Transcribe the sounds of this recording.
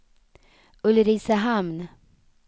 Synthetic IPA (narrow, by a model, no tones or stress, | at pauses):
ɵlɾiːsaɦamn